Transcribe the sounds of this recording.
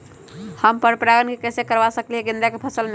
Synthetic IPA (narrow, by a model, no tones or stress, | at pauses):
həmpəɾpɾaɡənkekəsekəɾbasəklieɡind̪akepʰəsəlme